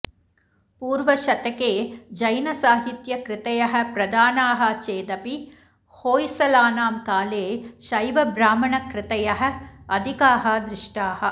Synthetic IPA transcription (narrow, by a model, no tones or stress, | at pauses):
puːɾʋɐʃɐt̪ɐkeːd͡ʒɐjnɐsaːɦit̪jɐkɾɪt̪ɐjɐɦɐ̆pɾɐd̪aːnaːɦɐt͡ʃeːd̪ɐpi | hoːjsɐlaːnaːmkaːleːʃɐjʋɐbɾaːmɐɳɐkɾɪt̪ɐjɐɦɐ̆ɐd̪ʱikaːɦɐd̪ɾɪʂʈaːhɐ